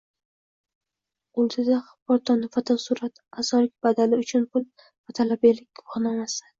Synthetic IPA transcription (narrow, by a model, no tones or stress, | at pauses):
ʊlˠd̪ʰɪd̪a | pʰɒɾt̪ʰɒnɪfat̪ʰasuɾat̪asɒlɪk̚ʲb̥ad̪alɪʊt͡ʃʰʊnpʰʊl | vat̪ʰalabelɪkʲːʰoχnamasa